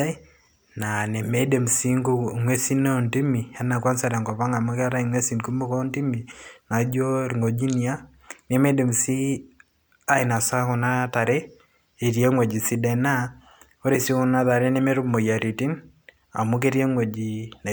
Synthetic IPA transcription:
na˨ne˨me˦de˨msi˦ŋɡo˦ŋwe˦si˦no˦˨nti˦mi˨a˦na˨kwa˦nsa˦ɾa˨ŋɡɔ˨βa˦ŋa˨mu˦ka˦ɾa˦i˨ŋwe˦si˨nku˦mo˦ko˦nti˦mi˨na˨d͡ʒo˦ɾŋo˨d͡ʒi˦ni˨a˦ | ne˦me˦de˨m˨si˦ | a˦ina˨sa˦ko˨na˦ta˨ɾe˦ | e˨ɾje˦ŋwe˨d͡ʒi˨si˦dɛ˦˨na˦ | o˦ɾe˨si˦ku˦na˦ða˨ɾe˦ne˦me˦ɾu˦mo˨ja˨ɾi˨ti˦n | a̰˨mu˦k̬e˦ɾje˦ŋwo˨d͡ʒi˨na˨

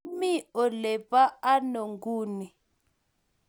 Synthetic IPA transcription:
mi˦ɔ˨lɛ˨pʼa˦a˦no˨ŋɡuː˦ni˨

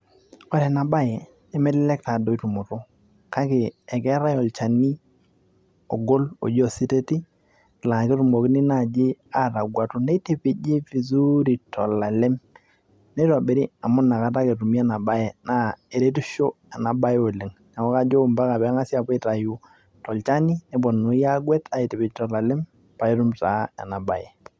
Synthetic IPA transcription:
o˦ɾɛ˨na˨ba˦jɛ˨ | e˦me˦lɪ˦lɛ˦k̚ta˨do˦i˦tu˨mʊ˨to˦ | ka˦kɪ˨ɛ˨kɛ˦ɾa˦jɔ˨lt͡ʃa˨ni˦ | ɔ̰˨ɡo˦lo̰˨d͡ʒɔ˦˨si˦te˦ti˦˨ | la˨kɪ˦tu˨mo˨kɪ˦ni˦na˦˨d͡ʒɪ˦a˦ta˨ɡwa˨tʊ˦ne˦te˨pɪ˨d͡ʒɪ˦fi˨zu˦ɾi˨tɔ˨la˨le˦m | ne˦ta˨be˨ɾi˦a˨mʊ˦na˨ka˦t̬a˦ke˨tu˨mi˦ɛ˦˨na˨ba˦je˨na˦e˨ɾe˦tu˦ʃo˦ | ɛ˨na˨ba˦jo˨le˨ŋna˨kɔ˦ka˦d͡ʒo˦˨mba˦ka˨pɛ˨˦ŋa˦sja˨pe˦ta˨ju˨ | tɔ˨lt͡ʃa˦ni˦ne˨˦bɔ˨no˨˦ja˦ɡwɛ˦tʰa˨i˨te˨pɪ˨d͡ʒtɔ˨la˨le˦m | pa˨e˦tu˦mta˨˦ɛ̰˨na˨ba̰˨je˨

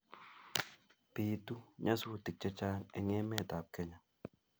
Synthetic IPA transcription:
piː˨tu˦ɲa˦su˦˨ti˨k̚t͡ʃɛ˦t͡ʃa˦nɛ˨ŋɛ˦mɛː˦˨ta˨p̚kɛ˦ɲa˨

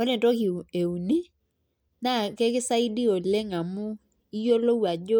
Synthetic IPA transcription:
o˦ne˨to˦ki˨e˨u˨ni˦ | na˦˨kɛ˦kɪ˦sa˦i˦di˦o˨le˦ŋa˨mʊ˦ | i˦jo˦lo˦wa˨d͡ʒo˦

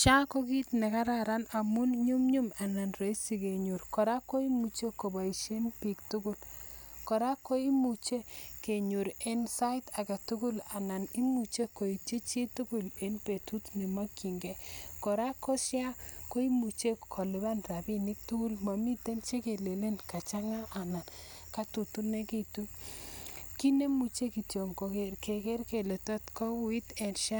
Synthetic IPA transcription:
t͡ʃa˦ko˦ki˦tne˨ka˦ɾa˨ɾa˦na˨mʊ˦nɲu˦mɲu˦ma˨na˨nɾe˨˦i˦si˨ke˨ɲu˨ɾkɔ˨ɾa˦kːo˦i˦mu˨t͡ʃe˦ko˨ba˨i˨ʃe˦npi˨ktu˦kʊ˦l | kɔ˨ɾa˦kːo˦i˦mu˨t͡ʃe˦ke˨ɲu˨ɾe˦nsa˦ta˨ka˨tu˦kʊ˦la˨na˨ni˦mu˨t͡ʃe˦ko˨i˨te˦t͡ʃi˦tu˦ku˨le˦npe˨tu˦tni˨ma˦kːi˨ŋɡɛ˨kɔ˨ɾa˦kɔ˦ʃja˦ko˦i˦mu˨t͡ʃe˦kʰɔ˨le˨ba˦nɾa˨bi˦nɪ˦k̚tu˦ku˦lma˨mi˦te˦nt͡ʃe˦ke˨le˨le˦nka˨t͡ʃa˦ŋa˦ʔa˨na˨n | ka˦tu˨tu˦ne˦ki˦tu˦ | ki˦ne˦mu˨t͡ʃe˦ki˨tjo˨ŋko˨ke˨ɾke˨ke˦ɾke˨le˨tɔ˦tkɔ˦wi˦tɛ˨nʃa˦

